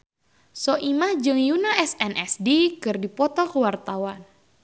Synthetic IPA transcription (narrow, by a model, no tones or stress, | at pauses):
sɔʔimahd͡ʒɨŋjunaɛsɛnʔɛsdikɨrdipɔt̪ɔkəwart̪awan